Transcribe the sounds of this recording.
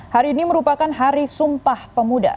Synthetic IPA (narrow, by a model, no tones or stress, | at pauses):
haɾiːniməɾupakanɦaɾisumpahpəmuda̰